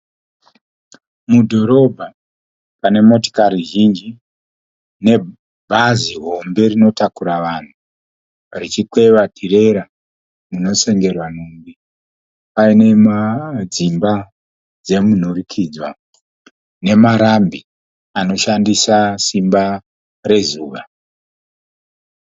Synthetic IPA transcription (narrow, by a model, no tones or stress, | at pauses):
mudʱo̞ɾo̞bʱa | pane̞mo̞to̥kaɾiʒind͡ʒi | ne̞ | bʱaziɦo̞mbe̞rino̞takuɾaʋan̤u | rit͡ʃikwe̞ʋatʰire̞ɾa | muno̞se̞ŋɡe̞rwanumbi | paine̞mad͡zimba | d͡ze̞mun̤urikʰiːd͡zwa̰ | ne̞maɾambi | ano̞ʃandisasimba | re̞zuːʋa